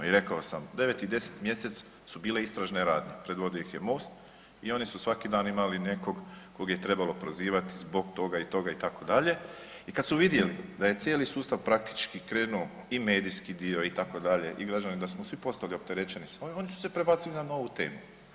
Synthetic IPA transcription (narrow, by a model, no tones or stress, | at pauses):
iɾe̞kaosamd̪e̞ʋet̪id̪e̞se̥t̪mje̞se̞t̪s | subiːle̞ist̪ɾaʒneɾaːd̪ɲʲepɾe̞d̪ʋo̞d̪ijoixje̞mo̞ːst̪ | io̞nisusʋakid̪aːnimaline̞ko̞ɡko̞ɡaje̞t̪ɾe̞balo̞pɾoziːʋat̪izbo̞ɡt̪o̞ɡait̪o̞ɡait̪ako̞d̪aʎe̞ | ikad̪suʋid̪je̞lid̪aje̞t̪sjeːlisuːst̪aʋpɾak̚t̪i̥t͡ʃkikɾeːnuo | ime̞ːd̪ijskid̪io̞it̪ako̞d̪aʎe̞ʔiɡɾad͡ʒanid̪asmosʋipo̞st̪aliop̚t̪e̞ɾet͡ʃenisoio̞nisu̥se̞pɾe̞baːt̪silinano̞ʋut̪e̞ːmu